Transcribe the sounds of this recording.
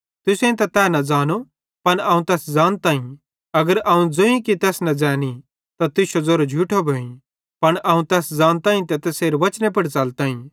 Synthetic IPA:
t̪ʊsẽĩt̪̬ɐt̪ɛːnɐd͡zaːnu | pɐnɐːũt̪ɛːsd͡zãːnt̪aːĩ | ɐɡəɾɐːũd͡zoːĩkit̪ɛːsnɐd͡zɛːni | t̪at̪ɪʃod͡zoːɾod͡ʒʱuːʈʰobʱoːĩ | pɐɳɐũt̪ɛːsd͡zãːnt̪ãːĩt̪ɛt̪ɐseːɾʋɐt͡ʃnep̬ɐɽt͡saːlt̪ãːĩ

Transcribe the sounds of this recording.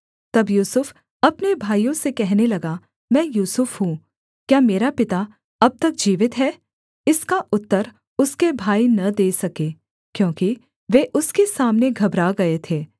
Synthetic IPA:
t̪ɐbjuːsʊf | ɐpnebʱaːijõsekɛɦnelɐɡa | mɛ̃ːjuːsʊfɦũ | kjaːmeːɾapɪt̪a | ɐb̚t̪ɐk̚d͡ʒiːʋɪt̪ɦɛː | ɪskaʔʊt̪ːəɾ | ʊskebʱaːinɐd̪eːsɐkeː | kjõːki | ʋeːʔʊskesaːmneɡʱɐbɾaɡɐet̪ʰeː

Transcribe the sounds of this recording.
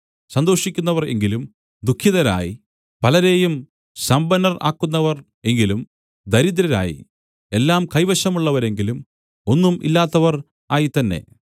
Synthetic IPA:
sɐnd̪o̞ːʂikʲːunːɐʋɐre̞̰ŋɡilum | d̪ukʰːjiðɐɾa̰ːji | pɐlɐɾe̞ːjum | sɐmbɐnɐra̰ːkːunːɐʋɐr | e̞ŋɡilum | d̪ɐɾid̪ɾɐɾa̰ːjḭ | e̞lːaːmkɐjʋɐɕɐmuɭːɐʋɐɾe̞ŋɡilum | o̞nːumḭlːaːt̪ːɐʋɐr | aːjit̪ɐnːe̞̰

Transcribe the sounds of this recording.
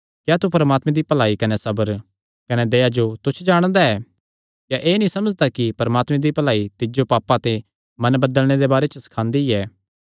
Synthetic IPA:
kjaːt̪upɐɾəmaːt̪mẽd̪ipɐlaːikɐnesɐbəɾ | kɐned̪eːad͡ʒot̪ʊt͡ʃʰd͡ʒaːɽ̃d̪aɛː | kjaʔeːnĩsɐməd͡ʒd̪akipɐɾɐmaːt̪mẽd̪ipɐlaːit̪ɪd͡ʒopaːpːat̪e | mɐ̃nbɐd̪əlɽ̃ed̪ebaːɾet͡ʃəsɐ̥kʰãːnd̪iɛː

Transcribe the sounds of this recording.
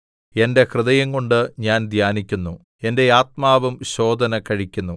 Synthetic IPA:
e̞nde̞krɨðɐjɐŋkoɳɖɨɲaːnd̪ʱjaːnikʲːunːu | e̞nde̞aːt̪maːʋɐmɕo̞ːd̪ɐnɐkɐɻikʲːunːu

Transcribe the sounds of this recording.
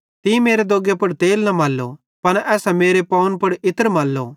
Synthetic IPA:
t̪imeːɾed̪oːɡepʊɽt̪eːlnɐmaːlːo̰ | pɐñɛːsɛmeːɾepɐːʊnpʊɽɪt̪əɾmaːlːo̰

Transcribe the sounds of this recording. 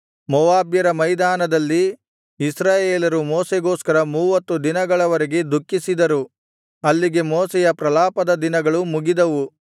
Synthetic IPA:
mɔʋaːbjɐɾɐmɐjd̪aːnɐd̪ɐlːiː | sɾaːjeːlɐɾumoːseɡo̞ːskɐɾɐmuːʋɐt̪ːud̪inɐɡɐɭɐʋɐɾeɡe̞d̪ʱukːisid̪ɐɾu | ɐlːiɡe̞moːsɛjɐpɾɐlaːpɐd̪ɐd̪inɐɡɐɭumuɡid̪ɐʋu

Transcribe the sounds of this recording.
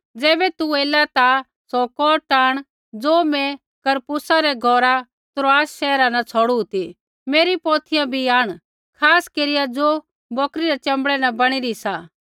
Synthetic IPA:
d͡zɛːbɛt̪ueːlat̪a | sɔkɔːʈaːɽ̃ | d͡zoːmɛ̃ | kɐɾpʊsaɾɛɡʱɔːɾa | t̪ɾoaːsʃɛːɾanɐt͡sʰɔːɽut̪i | meːɾipoːt̪ʰɪjãbʱiaːɽ̃ | kʰaːskeɾɪjad͡zoː | bɔːkɾiɾɛt͡ʃɐ̃mbɽɛnɐbɐɽ̃ɪɾisaː

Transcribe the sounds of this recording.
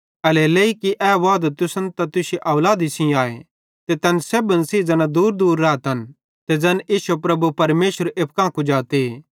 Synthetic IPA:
ɐleleikiʔɛːʋaːd̪at̪ʊsɐnt̪at̪ʊseʔɐwlaːd̪isĩaːḛ | t̪et̪ɛːnseːbənsid͡zɛnad̪uːɾd̪uːɾːaːt̪ɐn | t̪ed͡zɛniːsopɾɐbupɐɾmeːʃəɾep̚kãːkud͡ʒaːt̪e

